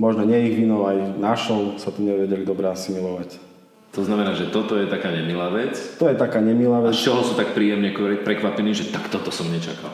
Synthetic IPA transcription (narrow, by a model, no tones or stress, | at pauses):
mɔʒnɔɲɛiɣʋinɔlajnaʃɔlsat̪ɔɲɛʋɛɟɛlid̪ɔbɾɛasimilɔʋac | t̪ɔznamɛnaːʒɛt̪ɔt̪ɔjɛt̪akaːɲɛmilaːʋɛt͡st̪ɔjɛt̪akaːɲɛmilaːʋɛt͡ʃɔɦɔsuːt̪ak̚pɾiːjɛmɲɛkɛpɾɛkʋapɛniːʒɛt̪akt̪ɔt̪ɔsɔmɲɛt͡ʃaka̰l